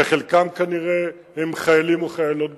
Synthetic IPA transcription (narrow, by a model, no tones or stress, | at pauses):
eχelkamkaniʁe | hemχajalimoχajalo̞t̪̚b